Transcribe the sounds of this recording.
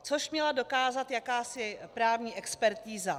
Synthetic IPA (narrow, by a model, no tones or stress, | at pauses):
t͡soʃmɲɛlado̞kaːzat̪jakaːsɪpɾaːvɲiːʔɛkspɛɾt̪iːza